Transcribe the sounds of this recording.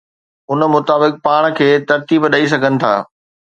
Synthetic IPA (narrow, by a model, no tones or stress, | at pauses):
ʊn̆mʊt̪aːbɪk̚paːɽ̃kʰeːt̪ɐɾt̪iːbɗɐis̬ɐɡʱənɪ̆t̪ʰa̰ː